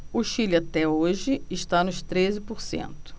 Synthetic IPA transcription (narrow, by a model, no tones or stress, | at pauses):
ʊʃilat̪ɛoʒɪɪʃt̪anʊʃt̪ɾezɪpʊɾsḛ̃nt̪ʊ̥